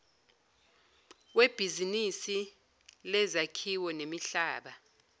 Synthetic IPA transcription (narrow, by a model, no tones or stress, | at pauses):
web̥ʱizinisi | lɛzakʰiwɔnemiɬaːɓa